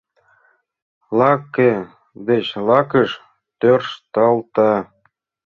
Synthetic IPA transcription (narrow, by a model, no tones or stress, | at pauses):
lɑkːe | d̪et͡ɕlɑkəʃ | t̪ørʃt̪ɑlt̪ɑ